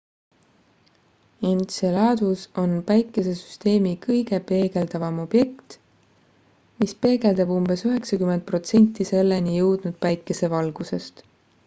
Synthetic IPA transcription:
ent̪selɑːd̪̥uso̞npæjkːˑe̞se̞sy̥st̪e̞ːmikɤjɡ̥e̞pe̞ːɡe̞ld̪ɑvɑmo̞b̥je̞kt̪ | mispe̞ːɡ̥e̞ld̪ɑbumb̥e̞syɦe̞ksɑkyment̪̚pro̞t̪se̞nʲt̪ːˑise̞lːenijɤwd̪̥nud̪̥̚pæjkːˑe̞se̞vɑlɡ̥use̞st̪

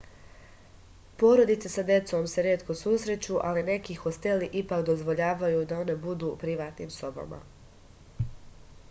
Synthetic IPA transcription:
po̞ɾo̞d̪it̪sesad̪je̞t̪so̞mse̞ɾjeːt̪ko̞susɾe̞t͡ɕuʔaline̞kixo̞st̪e̞liʔipaːkd̪o̞zʋo̞ʎaːʋajud̪ao̞ne̞bud̪uːpɾiʋaːt̪niːmso̞ba̰ma̰

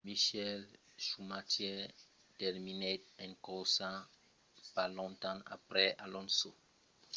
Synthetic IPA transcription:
miʃɛlʃumatjɛ | tɛɾmineɛ̃ŋkɔsã | palɔ̃nt̪ãa̰pɾɛʔalɔ̃nso

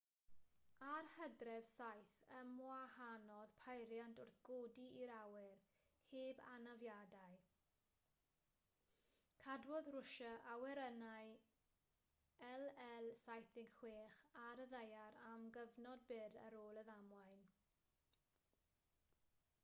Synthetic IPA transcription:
arhədrɛvsajθəmwahanɔðpʰajɾjantʰʊrθɡ̥odiiɾawɪr | heːba̰navjadaj | kʰadwɔðrʊʃəʔawɛɾənaj | ɛlɛlˠsajθdɪŋxw̥eːχaɾəðejaɾamɡəvnɔd̚bɪɾə̰ɾoːlˠəðamwajn

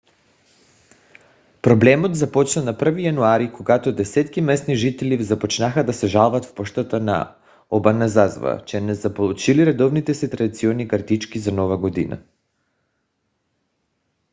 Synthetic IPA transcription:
pɾoblɛmot̪zapɔt͡ʃnanapr̩vijanuaɾikoɡat̪od̪ɛsɛt̪kimɛst̪niʒit̪ɛlivzapot͡ʃnaxad̪asɛʒalˠvat̪fpɔʃt̪at̪ana̰ | obanazazva̰t͡ʃɛnɛzapolˠut͡ʃiliɾɛd̪ɔvnit̪ɛsit̪ɾad̪it̪siɔnːikaɾt̪it͡ʃkizanɔvaɡod̪ḭna̰

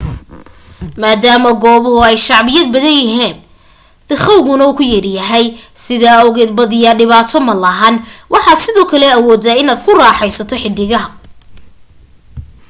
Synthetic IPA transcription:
maːd̪aːmɐɡɔːβʊɦʊɛjʃɑʕβɪjɐd̪̚bɐðɐnjɐɦɛːn | t̪ɪχɐwɣʊnɐuːkʰʊjɐrjɐɦɛjsɪðaːɔwɣɛːd̪̚bɐðɪjɐɖɪβaːt̪ʰɔmɐlɐɦɐnwʔɑħɑːd̪sɪðɔːkʰɐlɛɐwɔːd̪aɪnaːd̪kʰʊraːħɛjsɐt̪ʰɔħɪd̪ɪɣɐɦɐ

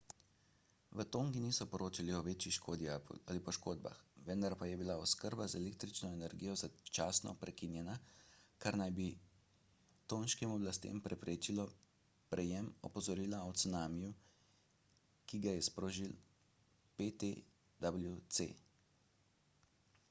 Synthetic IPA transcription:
ʋət̪oːŋɡiniːsɔpɔɾoːt͡ʃaliɔʋeːt͡ʃixʃkoːd̪jaalipɔʃkoːd̪ba̰xʋənd̪aɾpajɛbilaɔskəɾbazɛleːk̚t̪ɾit͡ʃnɔenɛɾɡijɔzat͡ʃasnɔ̰pɾɛkinjɛnakaɾnajbi | t̪oːnʃkimɔblast̪ḛmpɾɛpɾeːt͡ʃilɔ | pɾʔɛjɛmɔpɔzɔɾiːlaɔt̪sunaːmiju | kiɡajɛspɾoːʒil | pet̪e | d̪abljut̪sḛ

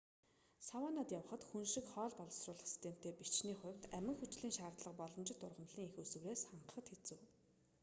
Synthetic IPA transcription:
sawaːnaːt̪jawə̆χə̆t̪xunʃɪ̆kχɔːɮpɔɮɞ̆srʊːɮə̆χsi̥st̪ʰem̥ʰt̪ʰeːpit͡ɕniːχʊ̟̆mt̪æmʲɪ̆ŋxut͡ɕɮiːŋʃaːrt̪ɮə̆qpɔɮɞ̆mt͡ɕɪ̆t̪ʊrʁə̆mɮ̥iːŋexusŭwɾeːsχaɴɢə̆χə̆t̪xet͡suː

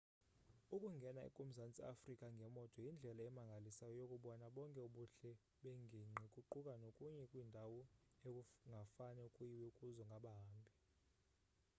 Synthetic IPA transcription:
ukʼuŋɡʱɛnaḭkʼum̩zant͡sʼia̰frikʼaŋɡʱɛmɔtʰʼɔjind͡ɮʱɛlaɛmaŋɡʱalisajɔjokʼuɓɔnaɓɔŋkʼɛuɓuɬɛ | ɓeŋʱiŋ͡ǃikʼuǃukʼanokʼuɲɛkʼwindʱawɔekuŋɡʱafanɛukʼujiwɛukʼuzɔŋɡʱaɓaɦːmbʱi

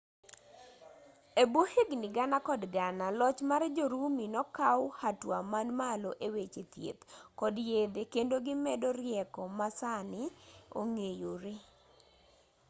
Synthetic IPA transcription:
ebwoheɡnɪɡanakɔdɡanalɔt͡ʃmard͡ʒoɾuminɔkawhatwamanmaloʔewet͡ʃet̪jḛt̪kɔdjed̪ekendoɡɪmɛdɔɾjɛkɔmasanɪo̰ŋejoɾɪ

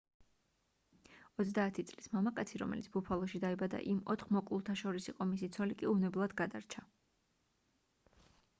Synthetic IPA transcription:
ɔt̪s̬d̪aːt̪ʰit̪sʼlismamakʼat̪sʰiɾɔ̰mɛ̰lit̪ʰb̥upʰalˠɔʃid̪aibad̪a̰ʔimɔ̰t̪ʰχmɔkʼlˠulˠt̪ʰaʃɔɾisiqʼɔmisit̪sʰɔlikʼiuvnɛblˠad̪ɡad̪aɾt͡ʃʰa

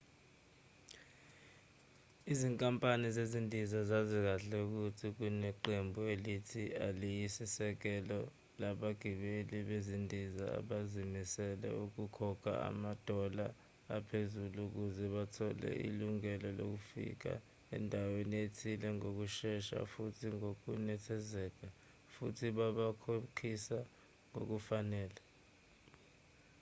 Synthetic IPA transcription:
iziŋkʼampʼanizezindʱizazazik̬aɬɛuk̬utʰik̬unɛǃembʱuelitʰialijisisɛk̬ɛlɔ | laɓaɡ̥ʱiɓeliɓezindʱiza̰a̰ɓazimisɛlɛ̰uk̬ukʰɔkʰa̰a̰mad̥ʱɔlaː | pʰezuluk̬uzɛɓatʰɔlɛ̰ʔḭluŋɛlɔlo̰k̬ufḭk̬a̰ | ɛ̰ndʱawenietʰilɛŋok̬uʃɛʃa̰futʰiŋok̬unɛtʰɛzɛːk̬a | fṵtʰiɓaɓakʰokʰisa | ŋo̰k̬ufanɛːla

